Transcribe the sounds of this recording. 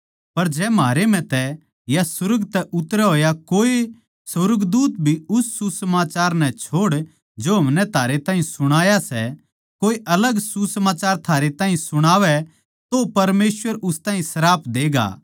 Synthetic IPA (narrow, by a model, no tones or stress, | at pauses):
pɐɾd͡ʒɛːmaːɾem̤ɛ̃t̪ɛ | jasʊɾəɡt̪ɛʔʊt̪ːɾɛɦoːjakoːe | sɐɾɡd̪uːt̪bʱiʊsːusəmaːt͡ʃaːɾnɛ̃t͡ʃʰoːɽ | d͡ʒoɦɐmnɛt̪ʰaːɾet̪ãːɦĩsʊɽ̃aːjasɛ | koːeʔɐləɡsusəmaːt͡ʃaːɾt̪ʰaːɾet̪aːɦĩsʊɽ̃aːʋɛ | t̪opɐɾmeːsʋəɾʊst̪ãːɦĩsɐɾaːpʰd̪eːɡa̰ː